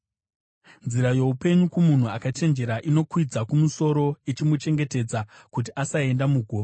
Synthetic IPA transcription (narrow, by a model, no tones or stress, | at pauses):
nziɾajo̞upe̞ɲukumun̤uakat͡ʃe̞nd͡ʒe̞ɾaʔino̞kwid͡zakumuso̞ɾo̞it͡ʃimut͡ʃe̞ŋɡe̞te̞d͡zakut̬iʔasae̞ndamuɡʱoːʋa